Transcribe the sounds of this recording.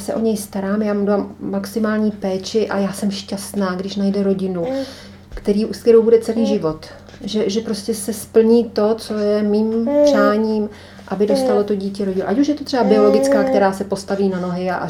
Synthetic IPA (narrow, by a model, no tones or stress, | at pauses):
jasɛ̰ʔo̞ɲɛjst̪aɾaːmjaːmdvamːaksɪmaːlɲiːpɛːt͡ʃɪʔa̰jaːsɛmʃcast̪naːɡdɪʃnajdɛɾo̞ɟɪnu | kt̪ɛɾiːust̪t̪ɛɾowbudɛt͡sɛliːʒɪvo̞t̪ | ʒɛʒɛpɾo̞scɛsɛspl̩ɲiːt̪o̞t͡so̞jɛmiːmpr̥aːɲiːm | ʔabɪdo̞st̪alo̞t̪o̞ɟiːcɛɾoɟɪnṵʔacuʃjɛt̪ot̪r̥ɛbabɪo̞lo̞ɡɪt͡skaːkt̪ɛɾaːsɛpo̞st̪aviːnano̞ɦɪaʔ